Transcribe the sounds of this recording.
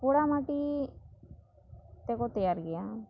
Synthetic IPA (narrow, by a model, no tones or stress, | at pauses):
koɽamaʈi | t̪ɛkot̪əjaːɾɡɪjaː